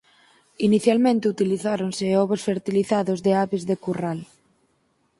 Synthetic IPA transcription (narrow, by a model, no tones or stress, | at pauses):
iniθjalmẽnt̪eut̪iliθaɾonseɔβosfeɾt̪iliθaðozðeaβezðekural